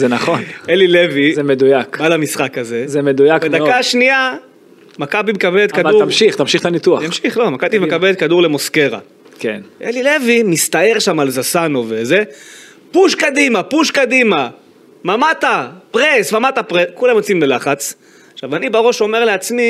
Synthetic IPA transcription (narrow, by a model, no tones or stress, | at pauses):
zenaχonelilevizemed̪ujakalamisχakaze̞zemed̪ujakbed̪akaʃnia | makabimekabelet̪kaduamʃiχt̪amʃiχt̪anit̪uat̪amʃiχlo̞makabimekabelet̪kad̪uʁle̞mo̞ske̞ʁa̰ | kḛnʔelilevimist̪ae̞ʁʃamalzasanoveze | puʃkad̪imapuʃkadima | mamat̪apʁesmamat̪apʁekulamot͡simbelaχat͡s | aχʃavanibaʁo̞ʃo̞me̞ʁle̞at͡smi